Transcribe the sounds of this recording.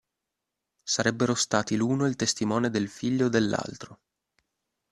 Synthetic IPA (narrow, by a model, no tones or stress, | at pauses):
saɾɛbːeɾost̪aːt̪iluːnoilt̪est̪imɔːned̪elfiʎːod̪elːa̰lt̪ɾo